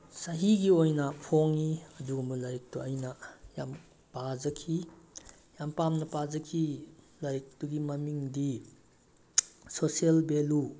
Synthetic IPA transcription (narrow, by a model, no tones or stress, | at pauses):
sɐɦiɡiojnɐpʰoŋiɐduɡɐmulajk̚tuɐjnɐjam | pazɐkʰi | jampamnɐpazɐkʰi | lajk̚tuɡimɐmiŋdi | sosielbelu